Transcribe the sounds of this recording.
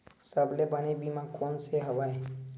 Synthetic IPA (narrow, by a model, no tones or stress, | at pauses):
səblebənebimãkoːnseɦɐʋaːe